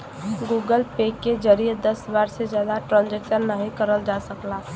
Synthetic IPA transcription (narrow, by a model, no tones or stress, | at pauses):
ɡuːɡəlpeːkːed͡ʒəɾied̪ɐsbaːɾsezjaːd̪aʈɾãːnd͡ʒek̚t͡ʃəɾnəɦĩkəɾəld͡ʒaːsəklaː